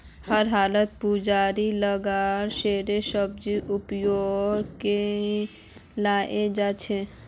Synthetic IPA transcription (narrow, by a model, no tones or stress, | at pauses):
həɾɦaːlət̪̚pud͡ʒaɾiləɡaɾʃeɾesəb̚d͡ʒiʔupjoɡke | laʔed͡ʒat͡ʃʰe